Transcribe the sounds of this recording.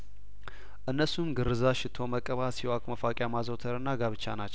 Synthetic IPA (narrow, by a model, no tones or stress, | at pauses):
ʔɨnːəsumɡɨɾːɨzaʃɪt̪ʰo̞məkʼəβasiwakʼməfakʼjamazot̪ʰəɾɨnːaɡaβɨt͡ʃːa̰nat͡ʃːɛw